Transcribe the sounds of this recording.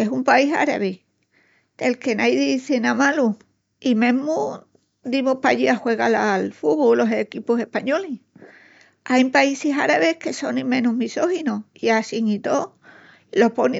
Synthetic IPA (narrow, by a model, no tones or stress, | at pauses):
e̞sumpaisa̰ɾa̰βi | d̪̥e̞lke̞najðiθenamalu | imẽmu | d̪imohpaʎiaxwe̞ɣalalfuβolo̞sekipuse̞hpaɲo̞li | ajmpaisesa̰ɾaβe̞hke̞so̞nːĩmẽ̞nuɦmiso̞hinoiasiŋit̪o | lo̞po̞ni